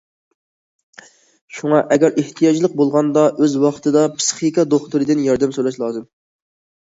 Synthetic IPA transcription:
ʃuŋɑʔɛɡʲæɾʔeht̪ʰijɑd͡ʒlˠəq̚bolˠʁɑnd̪ɑʔøzwɑχt̪ʰɨd̪ɑpʰɨ̥sχikʲɑd̪oχt̪uɾɨd̪ɪnjɑɾd̪ɛmsolˠɛʃlˠɑːzɨm

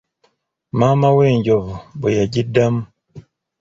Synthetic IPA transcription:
mamaweːɲɟoβubujaɟidamu

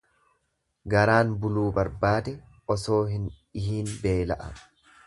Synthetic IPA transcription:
ɡɐɾaːnbʊluːbɐɾbaːd̪ɛ | ɔso̞ːɦɪn | ɪhiːnbe̞ːlɐʔɐ̰

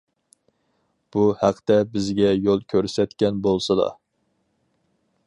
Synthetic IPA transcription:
b̥uhæqʰt̪ɛbɪzɡʲɛjolˠkʲʰøɾsɛt̪kʲɛnbolˠsɨlˠɑ̰

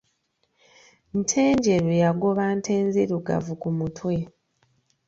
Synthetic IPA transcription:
n̩tʰe̞ːɲɟe̞ɾujaɡoβantʰe̞ːnziɾuɡa̰vukumutʰwe̞

